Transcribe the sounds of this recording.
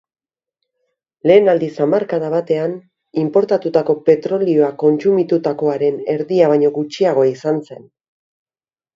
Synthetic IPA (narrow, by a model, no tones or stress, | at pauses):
le̞ːnald̪isamaɾkaðaβ̞at̪e̞an | impo̞ɾt̪at̪ut̪ako̞pe̞t̪ɾo̞lio̞ako̞nt͡sumit̪ut̪ako̞aɾe̞ne̞ɾðiaβ̞aɲo̞ɣut͡ʃiaɣ̞o̞aisanse̞n